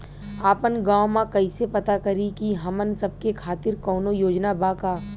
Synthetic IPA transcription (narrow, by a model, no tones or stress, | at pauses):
aːpənɡãːwmãkɐisepɐt̪akɐɾikiɦɐmənsɐb̚kekʰaːt̪ɪɾkɔːnojoːd͡ʒnabaːkaː